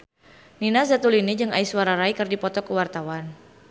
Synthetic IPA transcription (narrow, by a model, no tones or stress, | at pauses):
ninas̬dat̪ulinid͡ʒɨŋaiswaɾaɾajkɨrdipɔt̪ɔkəwart̪awan